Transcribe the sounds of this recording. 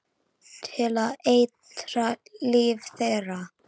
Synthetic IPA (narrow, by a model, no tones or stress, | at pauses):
t̪ʰɪlaðejt̪ɾaliːvθejɾa